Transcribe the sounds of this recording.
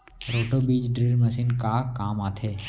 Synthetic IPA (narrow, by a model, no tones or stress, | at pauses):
ɾoːʈobiːd͡ʒɖɾiːɾməsiːnkakaːmaːt̪ʰeː